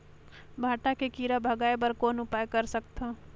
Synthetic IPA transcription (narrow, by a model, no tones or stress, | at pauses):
bʱaːʈakekiːɾabʱɐɡaːepɐɾkoːnʊpaːjkɐɾsɐk̚t̪ʰã